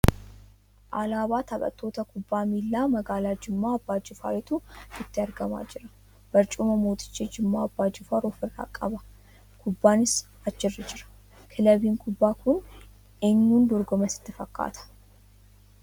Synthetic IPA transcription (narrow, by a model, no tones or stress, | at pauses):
ʔalaːbaːt̪ʰɐbʼɐ̰t̪ːo̞ːt̪ɐkʊbːaːmiːlːaːmɐɡaːlaːd͡ʒɪmːaːɐbːaːd͡ʒɪfa̰ːɾɪt̪uɪt̪ːɪɐɾɡɐma̰ːd͡ʒɪɾɐ̥ | b̥ɐɾt͡ʃʼʊmɐmoːt̪ʰʼɪ̥t͡ʃːed͡ʒɪmːaːɐbːaːd͡ʒɪfaɾoːfɪrːa̰ːkʼɐbɐ | kʰʊbːaːnɪs | ɐt͡ʃːɪrːɛd͡ʒɪɾɐ̥ | kʰɪlɐbiːŋkʰʊbːaːkʊn | eɲːuːnd̪ɔɾɡɔmɐsɪ̥t̪ːɪfɐkːa̰ːt̪ʰɐ̥